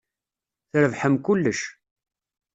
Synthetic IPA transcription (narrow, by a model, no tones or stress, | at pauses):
θɾəvħəmkʊlːəʃ